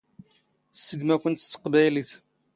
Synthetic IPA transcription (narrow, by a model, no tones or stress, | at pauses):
θsːəɡmækʷənt̪ə̥t̪ːə̥qbæjliθ